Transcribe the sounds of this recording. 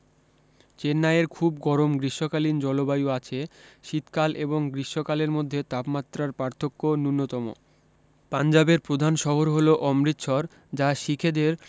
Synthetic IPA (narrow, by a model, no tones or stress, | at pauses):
t͡ɕenːaeɾkʰubɡɔɾomɡɾiʃokalind͡ʑɔlobajuat͡ɕʰeʃit̪kalʔeboŋɡɾiʃokaleɾmod̪ʱːet̪apmat̪ːɾaɾpaɾt̪ʰokːonunːot̪ɔmo̰ | pand͡ʑabeɾpɾod̪ʱanʃɔɦoɾɦoloʔɔmɾit̪ʃʰɔɾ | d͡ʑaʃikʰed̪eɾ